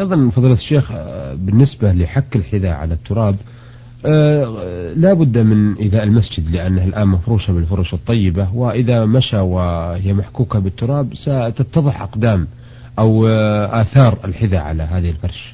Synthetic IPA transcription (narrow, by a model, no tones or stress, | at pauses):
ʔɑjðˤɑnfɑðˤiːlat̪ʃːeːxbɪnːɪsbalɪħakːɪlħɪðaʕa̰lat̪ːʊɾˤɑːb | laːbʊd̪ːmɪnʔɪðaːʔɪlmasd͡ʒɪd̪lɪʔanːahalʔaːnmafɾuːʃabɪlfʊɾˤʊʃɨt̪ˤːɑjːɪbawɪʔɪðamaʃawɪhɪjːamaħkuːkabɪt̪ːʊɾˤɑːbsat̪at̪ːɑðˤɨħʔaqd̪aːm | ʔawʔaːθɑːɾˤɪ̰lħɪðaʕa̰laɦaːðɪhɪlfɑɾˤʃḁ